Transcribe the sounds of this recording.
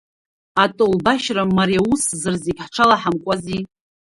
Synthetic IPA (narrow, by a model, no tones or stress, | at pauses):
atʼolbaʃramːaɾiauszɨrziɡʲħʈ͡ʂʰalaħamkʷʼazi